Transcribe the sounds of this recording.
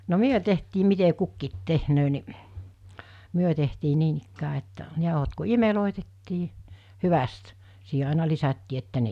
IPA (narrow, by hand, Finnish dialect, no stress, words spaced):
no myø tehtiː mite kukːiːt tehnøː ni myø tehtiː niːnikːæː etːæ jɑˑohot ku imeloˑetetːiː hyʋæst siːɦe ɑˑenɑ lisætːiː etːæ ne